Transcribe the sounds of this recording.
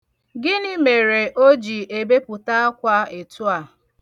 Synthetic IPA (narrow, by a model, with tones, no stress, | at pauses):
ɡɪ˦ni˦me˨ɾe˨ʔo˦d͡ʒi˨e˨be˦pʊ˨ta˦a˦kʷa˦e˨tʊ˦a˨